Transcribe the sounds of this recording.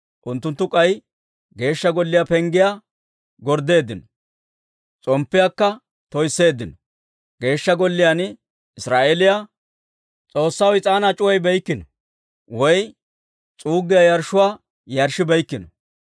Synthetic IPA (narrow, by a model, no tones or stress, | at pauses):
ʔʊnt̪ːʊnt̪ːʊkʼɐj | ɡe̞ːʃːɐɡɔlːɪjapɛŋɡɪja | ɡɔɾd̪e̞ːd̪ɪnɔ | t͡sʼɔmpːɪjakːɐ | t̪ɔjsːe̞ːd̪ːɪnɔ | ɡ̥e̞ːʃːɐɡɔlːɪjan | ɪsɾaːʔelɪja | t͡sʼo̞ːsːɐwɪt͡sʼaːnat͡ʃʼʊwɐjbɛjkːɪnɔ | wɔj | t͡sʼuːɡɪjajɐɾʃʊwaː | jɐɾʃɪbɐjkːɪnɔ